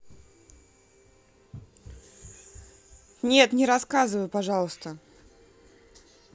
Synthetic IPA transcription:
nʲe̞t̪nʲɪɾɐskazɨvəjʊpɐʐɑlˠəst̪ə

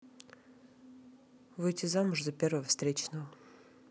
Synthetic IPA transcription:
vɨjtʲɪzamʊʐd̪ɐpʲe̞rvəvəfst̪ɾʲet͡ɕnəvə

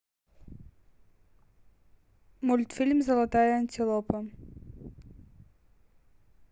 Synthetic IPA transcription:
mulʲt̪fʲilʲmzɐlˠɐt̪ajɐɐnʲt̪ʲɪlˠɔpɐ

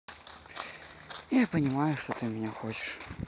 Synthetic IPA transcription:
japənʲɪmajʊʂt̪ot̪ɨmʲɪnʲaxot͡ɕɪ̥ʂ

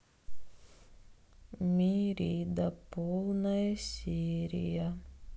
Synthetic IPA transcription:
mʲiːɾʲiːd̪apulˠnajsʲiːɾʲḭja

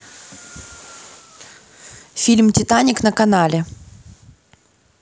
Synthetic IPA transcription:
fʲilʲmtʲɪt̪anʲɪknəkɐnalʲɪ

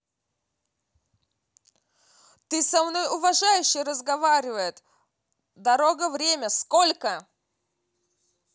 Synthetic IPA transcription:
t̪ɨsɐmno̞jʊvɐʐajʉɕːɪjɾəzɡɐvaɾʲɪvəjɪt̪ | d̪ɐɾo̞ɡəvɾʲemʲəsko̞lʲkə

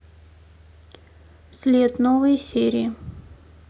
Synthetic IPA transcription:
sʲlʲet̪novəjsʲeɾʲɪɪ

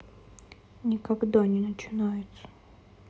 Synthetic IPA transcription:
nʲɪkɐɡd̪anʲɪnət͡ɕɪnajɪt̪sə̥

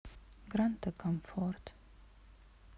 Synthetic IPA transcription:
ɡɾant̪əkʰɔmfɔɾt̪

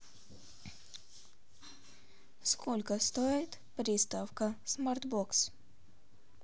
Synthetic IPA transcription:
skʰɔlʲkast̪ɔjɛjt̪ | pɾʲiːst̪awkasmaɾt̪bɔks

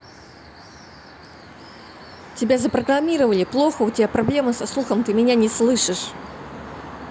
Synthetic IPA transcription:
tʲɪbʲazəpɾəɡɾɐmʲiɾəvəlʲɪplˠoxəʊtʲɪbʲapɾɐblʲe̞mɨsɐslˠuxəmt̪ɨmʲɪnʲanʲɪslˠɨʂɨʂ

